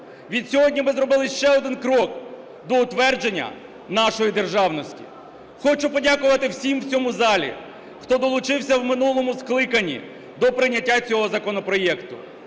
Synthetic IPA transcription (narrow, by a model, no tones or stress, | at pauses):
ʋʲid̪sʲɔɦɔdʲnʲimɪzɾɔbɪlˠɪʃt͡ʃɛɔd̪ɪnkɾɔk | d̪ɔʊt̪ʋɛrd͡ʒe̞nʲːɐ̰ | nɑʃɔjid̪e̞rʒɑwnɔsʲtʲḭ | xɔt͡ʃʊpɔdʲakʊʋɐt̪ɪwsʲimwt͡sʲɔmʊzɑlʲḭ | xt̪ɔd̪ɔlˠʊt͡ʃɪwsʲɐwmɪnulˠɔmʊsklˠɪkɐnʲːḭ | d̪ɔpɾɪnʲːɐtʲːat͡sʲɔɦɔzɐkɔnɔpɾɔjɛkt̪ʊ